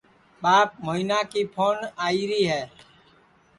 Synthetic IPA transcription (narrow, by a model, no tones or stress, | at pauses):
ɓaːp̚moinaːkipʰoːnaːiɾiːɦɛː